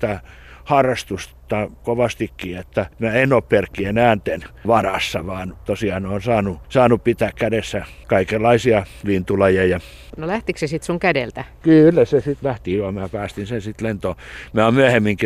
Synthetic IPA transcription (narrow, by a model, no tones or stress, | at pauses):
t̪æ | hɑrːɑst̪ust̪ːɑkoʋɑst̪ikːiːet̪ːæmæenoːpperkːienæːnt̪enʋɑrɑsːɑʋɑːnt̪osiɑnoːnsɑːnusɑːnuppit̪æːkkædesːæ | kɑikelːɑisiɑlint̪ulɑjɑjɑ | nolæht̪iksesit̪suŋkædḛlt̪ækylːæsesit̪læht̪iːʋɑmæːpæːst̪insensit̪lent̪oːmæommyæhemːiŋki